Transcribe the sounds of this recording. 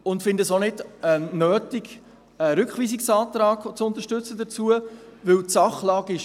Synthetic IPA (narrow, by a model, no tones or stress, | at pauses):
ʊntfɪndəsonɪdɛnøːtiɡ | ɛɾʏkχʋiːsiksɑːt̪ɾɑːɡt͡sʊnt̪əɾʃtʏt͡səd̪ət͡suəʋɪwtsɑχlɑːɡɪʃ